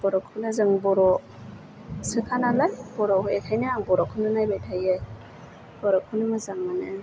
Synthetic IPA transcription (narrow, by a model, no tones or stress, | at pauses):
b̥ɔɾɔkʰɯnɯzɯŋbɔɾɔ | sɯkʰanalajbɔɾɔhɔetʰajnɯaŋbɔɾɔkʰɯnɯnajbajtʰaje | b̥ɔɾɔkʰunɯmɯzaŋmanɯ